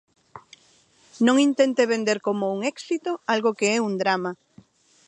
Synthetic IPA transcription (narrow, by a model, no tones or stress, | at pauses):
nõŋint̪ent̪eβend̪eɾkomouŋɛksit̪oalɣokeɛuŋd̪ɾama